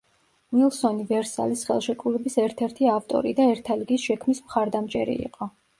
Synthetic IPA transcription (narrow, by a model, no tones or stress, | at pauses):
nilˠsɔnivɛɾsa̰lisχɛ̰lˠʃɛkʼɾulɛbisɛɾt̪ʰɛɾt̪ʰiaft̪ʼɔ̰ɾid̪aɛɾt̪ʰaliɡisʃɛkʰmismχaɾd̪amt͡ʃʼɛɾḭḭqʼɔ